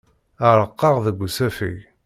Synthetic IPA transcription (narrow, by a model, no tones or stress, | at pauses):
əɾˤəqːɑʁðəɡʷːusæfḭʝ